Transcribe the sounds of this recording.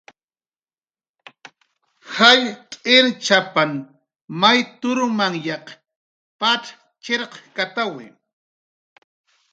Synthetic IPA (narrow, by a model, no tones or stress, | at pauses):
hajt̪ʼɪɾt͡ʃapan | majt̪ʊɾʊmaŋjɑq | paʈ͡ʂ | t͡ʃeɾqkat̪awɪ̰